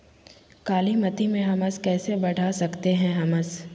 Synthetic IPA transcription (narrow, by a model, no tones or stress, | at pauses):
kaːlimɐt̪imẽɦɐməskɛːsebɐɽ̤ʱasɐkt̪eɦɛ̃ɦɐməs